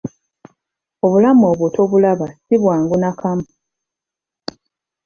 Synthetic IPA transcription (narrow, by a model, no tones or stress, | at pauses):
o̞βulamoːβotʰo̞βulaβasiβwaːŋɡunakʰam